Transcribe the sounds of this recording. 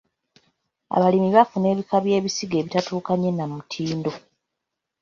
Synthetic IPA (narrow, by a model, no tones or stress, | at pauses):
a̰βalimiβafune̞ːβikaβje̞ːβisiɡe̞ːβitatuːkaɲe̞namutʰiːndo̞